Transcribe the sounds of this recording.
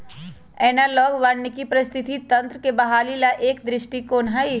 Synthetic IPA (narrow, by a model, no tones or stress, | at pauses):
ɛːnaːlɔːɡʋaːɽnekipɾɐst̪ʰɪt̪it̪ɐ̃nt̪ɾəkebɐɦaːlilaʔeːkd̪ɾɪʃʈikoːnɦai